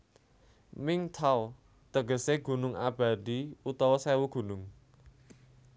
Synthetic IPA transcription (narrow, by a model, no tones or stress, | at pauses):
mɪŋt̪ʰaw | t̪əɡə̤seɡ̥ṳnʊŋab̥a̤d̪iut̪ɔwɔsɛwuɡ̥ṳnʊŋ